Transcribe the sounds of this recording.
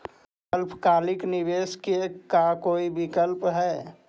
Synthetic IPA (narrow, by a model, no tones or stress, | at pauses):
əlpkaːlɪknɪbeskekakoːibɪkəlpɦɛː